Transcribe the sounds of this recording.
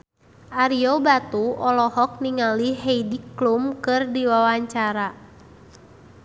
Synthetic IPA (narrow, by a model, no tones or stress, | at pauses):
ʔaɾiɔbat̪uɔlɔhɔk̚niŋaliɦeidiklumkɨrdiwawaɲt͡ʃaɾa